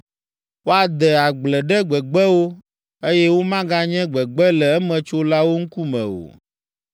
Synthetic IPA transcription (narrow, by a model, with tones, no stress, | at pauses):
wo˦a˨d̪ɛ˨a˨ɡ͡blɛ˨ɖɛ˦ɡ͡bɛ˨ɡ͡bɛ˦wo˦ | e˦jɛ˦wo˦mã˦ɡã˦ɲɛ̃˦ɡ͡bɛ˨ɡ͡bɛ˦lɛ˨ɛ˦mɛ̃˨t͡ʃo˦la˦wo˦ŋ̩˦ku˦mɛ̰̃˨o̰˨